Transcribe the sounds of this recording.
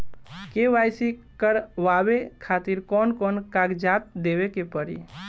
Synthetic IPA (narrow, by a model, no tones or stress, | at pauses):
keʋajsi | kəɾʋabekʰat̪iɾkɔnkɔnkaɡd͡ʒat̪̚d̪ebekepəɾḭ